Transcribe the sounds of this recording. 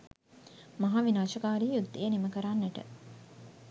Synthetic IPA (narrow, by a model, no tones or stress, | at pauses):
mɐɦaːʋinaːʃəkaːɾiːjud̪ːejəniməkəɾanːəʈə̰